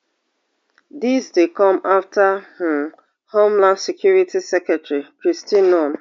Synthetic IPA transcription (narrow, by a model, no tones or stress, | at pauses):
disdekɔ̃maftah̩ | homlãndsekʰjuɹitisɛkɛtɾikɹistinɔn